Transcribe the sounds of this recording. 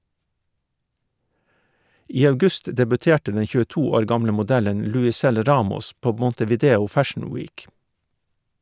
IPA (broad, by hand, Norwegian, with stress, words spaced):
ˈiː ɑʉˈɡʉst dɛbʉˈteːʈə ˈdɛn çʉːəˈtuː ˈoːɾ ˈɡɑmlə mʊˈdælən lʉɪˈsɛl ˈɾɑːmɔs ˈpoː mɔntəʋiːˈdeːʊ ˈfæʃn̩ ˈwiːk